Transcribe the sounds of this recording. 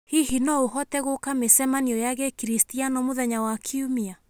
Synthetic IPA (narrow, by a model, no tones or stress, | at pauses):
hiɦinɔoɦɔtɛɣokamesɛmaniɔjaɣekiɾistianɔmoðɛɲawakʰiumia